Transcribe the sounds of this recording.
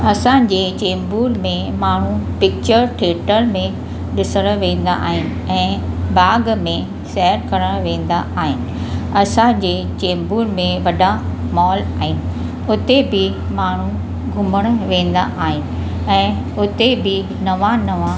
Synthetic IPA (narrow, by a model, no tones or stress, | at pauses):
ɐsãd͡ʑeːt͡ɕeːmbuːlmẽ | maːɳ̤upɪk̚t͡ɕəɾʈʰeːʈəlmẽ | ɗɪsəɽ̃ʋẽːn̆d̪a̰ʔa̰ːɦɪnɪ̆ɛ̃ːbaːɡmẽ | sɛɦəɾkɐɾəɽ̃ʋẽːn̆d̪a̰ʔaːɦɪnɪ̆ɐsãd͡ʑeː | t͡ɕeːmbuːɾmẽʋɐɖamɔːlaːɦɪnɪ̆ | ʊt̪ebɪ | maːɳ̤u | ɡʱʊməɽ̃ʊʋẽːn̆d̪a̰ʔaːɦɪnɪ̆ | ɛ̃ː | ʊt̪ebɪ | nɐʋanɐʋã